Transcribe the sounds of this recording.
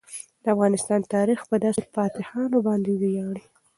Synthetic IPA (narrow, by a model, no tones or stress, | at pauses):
d̪̥əafɣɑnɪst̪ɑnt̪ɑɾixpəd̪ɑsepɑt̪ɪhɑnobɑnd̪ed̪əjɑɽi